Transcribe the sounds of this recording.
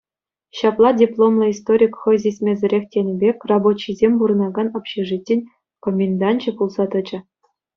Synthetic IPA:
ɕɑplˠɑdʲiplˠomlˠɤ̆ist̪oɾʲikχɤ̆jzʲesʲmʲezʲɘ̆ɾʲekʲtʲenʲbʲekʲrɑbot͡ɕːizʲemʲbuɾɤ̆nɑɡɑnɤ̆pɕiʐitʲːenʲ | komʲend̪ɑnʲt͡ɕɘ̆pulˠzɑt̪ɤ̆d͡ʑɘ̆

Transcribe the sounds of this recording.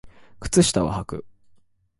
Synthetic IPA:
kɯ̟̥t͡sɨɕi̥t̪aβa̰hakɯ̟̰

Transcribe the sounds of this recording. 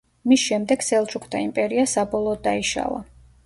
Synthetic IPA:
misʃɛmd̪ɛɡsɛlˠt͡ʃʰʼukʰd̪ʰaimpʼɛɾiasabɔlˠɔːd̪ːaiʃa̰la̰

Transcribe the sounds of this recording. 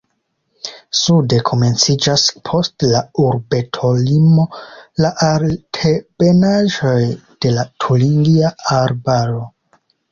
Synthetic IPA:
sude̞kʰo̞me̞nt͡sid͡ʒaspʰo̞stlauɾbe̞tʰo̞limo̞laʔaɾtʰeb̥e̞naʒo̞jd̥e̞latʰuliŋɡiaaɾbaɾo̞

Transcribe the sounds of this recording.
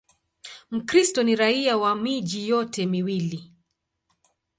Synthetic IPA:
m̩kɾistɔniɾaiawamiʄijɔtʰɛmiwili

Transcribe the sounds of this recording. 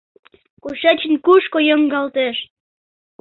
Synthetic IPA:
koʃæt͡ɕənkuʃkojəŋɡɑlt̪eʃ

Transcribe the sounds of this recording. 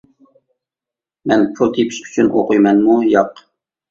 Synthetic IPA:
mɛnpʰut̪ʰipʰi̥ʃy̥t͡ʃʰynʔo̰qujmɛnmujɑq

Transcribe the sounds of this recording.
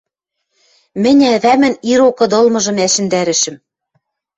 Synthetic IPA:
mɘ̆nʲæβæmɘ̆niɾokɤ̆d̪ɤ̆lmɤ̆ʒɤ̆mæʃɘ̆nd̪æɾɘ̆ʃɘ̆m

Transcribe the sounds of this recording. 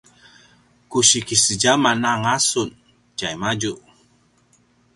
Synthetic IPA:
kuɕikisəd͡ʒamanaŋasun | d͡ʒajmad͡ʒuʔ

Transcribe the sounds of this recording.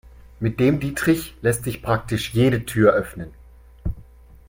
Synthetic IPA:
mɪt̚d̥eːmdiːtʁ̥ɪçlɛstz̥ɪçpʁ̥ak̚tɪʃjeːɾətʰyːɐʔœfnən

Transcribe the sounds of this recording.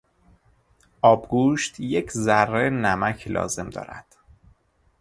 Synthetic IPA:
ʔɒːbɡuːʃt̪jecʰzærːenæmæcʰlʔɒ̰ːze̞md̪ɒ̰ːɾæ̰d̪̥

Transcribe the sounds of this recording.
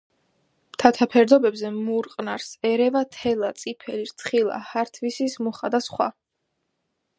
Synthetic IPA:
mt̪ʰat̪ʰapʰɛɾd̪ɔbɛbzɛmuɾqʼnaɾsɛɾɛvat̪ʰɛlˠat̪sʼipʰɛliɾt̪sʰχilˠa̰haɾt̪ʰvisismuχad̪asχwa̰

